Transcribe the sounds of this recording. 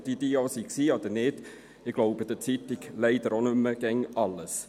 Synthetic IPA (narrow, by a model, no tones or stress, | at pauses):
tid̪iːɑsiksiːɑd̪əned̪̥ | ɪɡ̥loʊbəd̥̪ət͡sit̪ːiɡlɛɪd̥̪əɾonʉmːəɡ̥ɛŋɑlːəs